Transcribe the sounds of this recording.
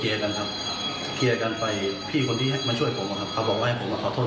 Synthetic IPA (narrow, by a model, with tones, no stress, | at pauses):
i˧ʔa˧ka˧nkʰa˦˥p̚ | kʰi˧ʔa˧ka˧npa˧jpʰiː˥˩kʰo˧ntiː˥˩ɦa˥˩ma˧˨nt͡ɕʰu˥˩əjpʰo˨˦mʔa˨˧˩kʰa˦˥p̚kʰa˧˥bɔː˧˩kwaː˧˥˧hpʰo˨˦mːaː˧˩kʰɔː˨˩t̪ʰː